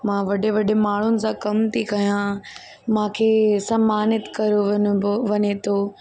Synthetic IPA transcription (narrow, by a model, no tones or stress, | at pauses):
mãːʋɐɗeʋɐɗemaːɳ̤ʊnɪ̆sãkɐmt̪ʰikɐɦijã | mãːkʰeːsɐmːaːnɪt̪kɐɾoʋʋɐɲet̪ʰoː